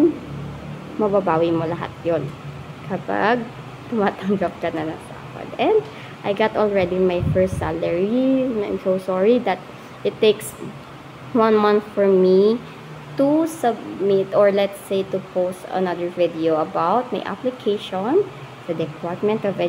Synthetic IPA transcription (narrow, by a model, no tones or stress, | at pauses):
mɐbabaːwimolɐɦa̰t̪̚jʊn | kʰɐpa̰ɡ̚ | t̪ʊmaːt̪ɐŋɡap̚kɐnɐnɐŋsa̰pɐ̰d̪ɛ̃nd̪ | ʔajɡat̪ɔlɹɛd̪imajfɛɹst̪salɛɹinã̰jmsowsɔɹid̪ɐt̪̚ | ʔɪt̪ːeks | wɐ̃nmãnθfɔɹmi | t̪usɐbmɪt̪ɔɹlɛt̪sejt̪upʰost̪ɐ̰nɐd̪əɹvɪd̪ioɐbawt̪̚ma̰jʔa̰plɪkʰejʃɔn | d̪̥ɐd̪ɛpʰaɹt̪̚mɛ̃nt̪ɔvɛ